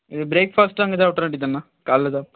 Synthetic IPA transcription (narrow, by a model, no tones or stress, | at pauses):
ɪðɯbɾeːkfaːsʈaːŋɡɐt̪ãːʈːɐɾnɐʈ̬ːit̪ãnːãː | kaːllɐt̪ãː